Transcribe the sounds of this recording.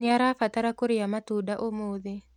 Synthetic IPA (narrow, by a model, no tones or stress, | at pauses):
ɪaɾafataɾakoɾɪjamatudaʔomoːðe